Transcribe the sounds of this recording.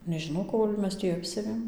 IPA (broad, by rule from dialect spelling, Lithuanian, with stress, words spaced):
nʲɛʒʲɪˈnɐʊ ˈkoːlʲ ˈmʲɛs tʲiː ˈɑːpʲsʲɛʋʲeːm